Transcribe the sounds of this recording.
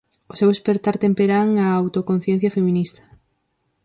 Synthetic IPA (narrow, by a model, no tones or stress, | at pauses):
osewespeɾt̪aɾt̪empeɾaŋaːwt̪okon̟θjɛn̟θjɐfemĩnist̪ɐ̥